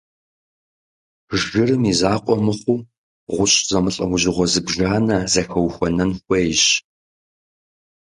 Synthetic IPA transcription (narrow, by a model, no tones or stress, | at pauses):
ʒɨrɨmizaːqʷʼɔmɨχʷuː | ʁʷʊɕʼz̥ɐmɨɬʼɐwʊʑɪʁʷɔzɨbʒaːnɐzɐxɐwxʷɔnɐnxʷejɕ